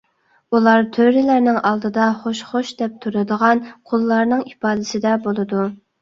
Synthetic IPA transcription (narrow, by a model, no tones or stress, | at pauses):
ulˠɑɾt̪ʰøɾɪlæɾnɪŋʔɑlˠd̪ɨd̪ɑχoʃχoʃd̪ɛp̚t̪ʰuɾɨd̪əʁɑnqʰolˠːɑɾnɨŋipɑːd̪ɪsɪd̪ɛbolˠɨd̪u